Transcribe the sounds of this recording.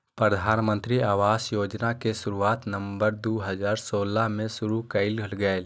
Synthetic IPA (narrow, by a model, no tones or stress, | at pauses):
pɾəd̪ʱaːnmə̃nt̪ɾiaːʋaːsjoːd͡ʒnakesʊɾuaːt̪nəmbəɾd̪uːɦəzaːɾsoːlamẽsʊɾukəɪlɡʱəlɡɛl